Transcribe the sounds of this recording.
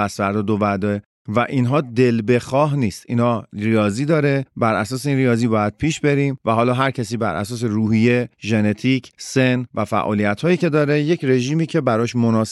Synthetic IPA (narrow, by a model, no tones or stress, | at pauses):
æsvæɾd̪ɒːd̪ovæd̪ɒːe | væʔiːnɦɒːd̪e̞lbe̞xɒːɦniːst̪ḭːnhɒːɾijɒːziːd̪ɒːɾe̞bæɾʔæsɒːseiːnrijɒːziːbɒːjæd̪̥̚pʰiːʃbeɾiːmvæhɒːlɒːɦæɾcʰæsiːbæɾʔæ̰sɒːs̬eɾuːɦije̞ʒe̞ne̞t̪ʰiːcʰsenvæfæ̰ʔɒ̰ːlijæt̪hɒːjiːce̞d̪ɒːɾe̞jecʰɾe̞ʒiːmiːcʰe̞bæɾɒːʃmonɒːs